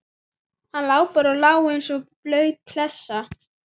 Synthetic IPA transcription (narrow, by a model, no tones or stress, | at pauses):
hanlaːwpaɾɔwlaːwɪnsɔplœːɥt̪̚kʰlɛsːa